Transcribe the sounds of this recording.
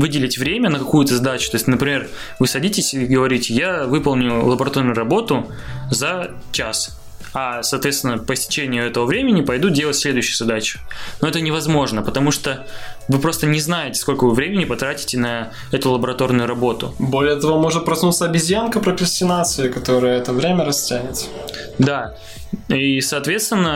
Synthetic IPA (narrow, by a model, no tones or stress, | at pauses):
vɨdʲɪlʲɪtʲvɾʲemʲənəkɐkujʊt̪əzɐd̪at͡ɕʊ̥t̪o̞ɪsʲtʲnəpɾʲɪmʲe̞r | vɨsɐdʲitʲɪsʲɪɡəvɐɾʲitʲɪjavɨpəlˠnʲʊlˠəbəɾɐt̪ornʊjʊɾɐbo̞t̪ʊ | zɐ | t͡ɕas | ɐsɐːt̪vʲest̪ʲɪnəpəsʲtʲɪ̥t͡ɕenʲɪjʊɛt̪əvəvɾʲemʲɪnʲɪpɐjd̪udʲelˠətʲsʲlʲe̞d̪ʊjɕɪjʊzɐd̪at͡ɕʊ̥no̞ɛt̪ənʲɪvɐzmo̞ʐnəpət̪ɐmuʂt̪o | vɨpɾo̞st̪ənʲɪznajɪtʲɪ̥sko̞lʲkəvɨvɾʲemʲɪnʲɪpɐt̪ɾatʲɪ̥tʲɪnɐ | ɛt̪ʊlˠəbəɾɐt̪o̞rnʊjʊɾɐbo̞t̪ʊ̰bo̞lʲɪjət̪ɐvomo̞ʐɨt̪̚pɾɐsnut̪səɐbʲɪzʲjankəpɾəkɾəsʲtʲɪnat̪sɨɪkɐt̪o̞ɾɨjəɛt̪əvɾʲemʲəɾɐsʲtʲænʲɪt̪ | d̪a | isɐːt̪vʲet̪st̪vʲɪnːə